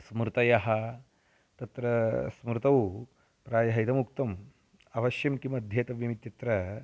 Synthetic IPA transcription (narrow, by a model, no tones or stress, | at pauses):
smɾut̪ɐjɐɦɐ | t̪ɐt̪ɾɐsmɾut̪ɐw | pɾaːjɐɦɐjd̪ɐmukt̪ɐm | ɐʋɐʃjɐmkimɐd̪ʱjeːt̪ɐʋjɐmit̪ːjɐt̪ɾɐ